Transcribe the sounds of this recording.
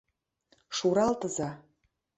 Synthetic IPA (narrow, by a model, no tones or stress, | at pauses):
ʃuɾɑlt̪ə̆zɑ